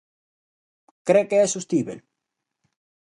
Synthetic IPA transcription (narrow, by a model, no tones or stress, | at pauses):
kɾekeɛsust̪iβḛl